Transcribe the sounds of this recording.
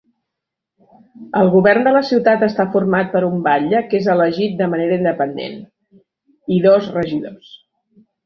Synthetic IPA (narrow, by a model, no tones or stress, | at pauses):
əlˠɣuβɛrnd̪ələsiwt̪at̪əst̪afurmat̪̚pəɾumbaʎəkezələʒit̪̚d̪əməneɾəind̪əpənd̪ḛn | iðɔzrəʒiðos